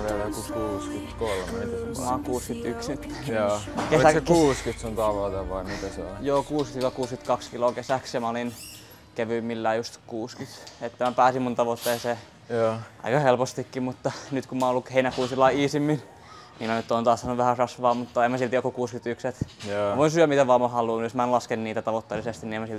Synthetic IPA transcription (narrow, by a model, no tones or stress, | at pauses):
ʋielækukuːskyt̪kolmemit̪æsmɑːkuːskyt̪yksyt̪ːæ̥oːkelisækuːskyt̪sont̪ɑʋot̪eʋɑimit̪æsɑ̰njoːkuːskt̪ilokuːskyt̪kɑkskilokesæksjɑmæolin | keʋymːilːæːjust̪kuːskyt̪et̪ːæmæpæːsimmunt̪ɑʋot̪ːeːseː | ɑ̰ikɑhelpost̪ikːimut̪ːɑnyt̪kumːɑnolːukheinækuːnsilːɑiiːsimːin | niːmænyt̪ːoːnt̪ɑːssɑnuʋʋæhærɑsʋɑːmut̪ːɑemːæsilt̪iokːukuːskyt̪ykset̪ːʋoinsyæmit̪æʋɑːmɑhɑluːnjosmæenlɑskenniːt̪æt̪ɑʋot̪ːelisest̪iniemæsil